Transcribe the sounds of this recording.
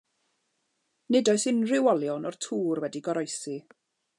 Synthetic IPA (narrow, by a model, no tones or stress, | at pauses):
nɪdɔɨsɪnrɪwɔlˠjɔnɔr̥tʰuːrwɛdiɡɔɾɔjsi